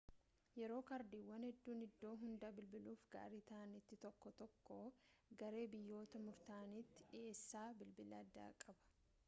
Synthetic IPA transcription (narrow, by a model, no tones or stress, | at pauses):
jɛɾo̞ːkɐɾd̪iːwːɐnhɛd̪ːuːnɪd̪ːo̞ːɦʊnd̪ɐbɪlbɪluːfɡa̰ːɾiːt̪ɐɐnɪt̪ːɪt̪ɔkːɔt̪ɔkːoːɡɐɾe̞ːbɪjːo̞ːt̪ɐmʊɾt̪aːnit̪ːɪ̥ᶑɪeːsːaːbɪlbɪlɐːd̪ːa̰ːkʼɐbɐ̥